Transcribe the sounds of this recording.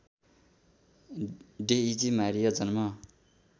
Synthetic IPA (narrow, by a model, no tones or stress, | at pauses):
ɖeid͡zimaɾijʌd͡zʌnmʌ